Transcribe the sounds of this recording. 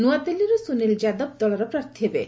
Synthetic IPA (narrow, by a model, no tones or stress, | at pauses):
nuat̪eliɾusunild͡ʒad̪ɔb̚d̪ɔɭɔɾɔpɾaɾt̪ʰiɦebḛ